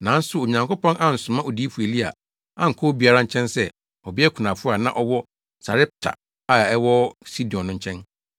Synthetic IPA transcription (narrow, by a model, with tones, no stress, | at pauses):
nã˨˦n̩˦sʊ˦o˨ɲã˨ŋko˦pɔ̃˦na˦n̩˨sʊ̃˨mã˦o˨di˦fu˨e˨li˦a̰˨ | a˨ŋ̩˨kʰɔ˦bi˨˦a˦ɾã˦ɲ̩˨˦t͡ɕʰɛ̃˦nsɛ˦ | ɔ˨bɪ˦ɛ˦kʰu˨nã˨fʊ˦a˨nã̰˦˨ʔɔ˦wɔ˦ | sa˨ɾɛ˦p̚tʰa̰˨ | a˨ɛ˦wɔ˦si˦di˨ɔ̃˨nːʊ̃˦ɲ̩˦t͡ɕʰɛ̃˦n